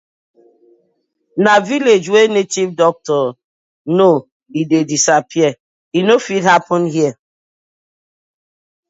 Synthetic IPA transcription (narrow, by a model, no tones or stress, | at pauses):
naviled͡ʒwenetivdɔk̚tɔ | no | idedisapʰiɛ | inofidhapʰɔ̃nɦiɛ